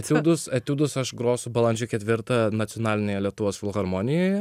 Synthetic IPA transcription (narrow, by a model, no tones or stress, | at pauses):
ɐt̪ʲuːd̪ʊsɐt̪ʲuːd̪ʊsɐʃɡɾoːsʊbɐlˠɐnʲd͡ʒʲʊkʲɛt̪ʲʋʲɪɾt̪ɐnɐt̪ʲɔnɑːlʲɪnʲeːjɛlʲiɛt̪ʊʋoːsfʲɪlˠxɐɾmoːnʲɪjoːjɛ